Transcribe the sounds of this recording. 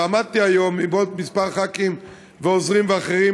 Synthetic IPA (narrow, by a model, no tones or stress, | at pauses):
amad̪̚t̪iajo̞mibot̪̚mispaʁχakim | veozʁimveaχeʁi